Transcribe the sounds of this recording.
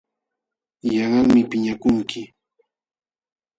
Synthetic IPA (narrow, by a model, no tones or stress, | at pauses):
jɑŋɑŋmɪpɪɲakʊŋkʰɪ